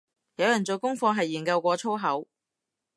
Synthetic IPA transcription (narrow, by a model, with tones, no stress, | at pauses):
jɐ˨˧wjɐ˨˩nt͡so˨˧kʊ˥ŋfɔː˧ŋɦɐ˨jːiː˨˩nkɐ˧wkʷɔː˧t͡sʰo˥wɦɐ˨˥w